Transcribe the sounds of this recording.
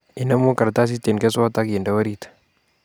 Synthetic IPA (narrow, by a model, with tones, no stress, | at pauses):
i˨na˦mu˦ka˨ɾt̪a˦s̬i˦t̪e˨nke˦sɔ˦t̪a˦ke˨nda˦wa˦ɾit̪ḁ